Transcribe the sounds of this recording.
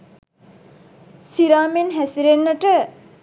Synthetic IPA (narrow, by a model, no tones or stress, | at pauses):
siɾaːmenɦæsiɾenːəʈə